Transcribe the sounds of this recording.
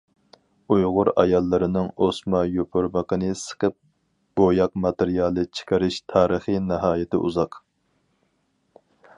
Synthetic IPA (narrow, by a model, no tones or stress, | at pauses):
ujʁʊɾɑ̰jɑlˠːɨɾɪnɨŋosmɑjopʰʊɾməqənɨsə̥qəp̚ | b̥ojɑqmɑt̪eɾijɑːlˠɨt͡ʃʰɪ̥qəɾɪʃt̪ʰɑːɾəχinɨɦɑːjɪt̪ʰɪ̰ʔṵzɑq